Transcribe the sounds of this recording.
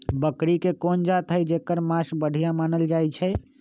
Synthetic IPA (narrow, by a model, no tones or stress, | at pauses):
bəkɽikekond͡ʒat̪ʰəjd͡ʒekəɾmasbəɽ̤ʱijamanəld͡ʒajt͡ʃʰɛ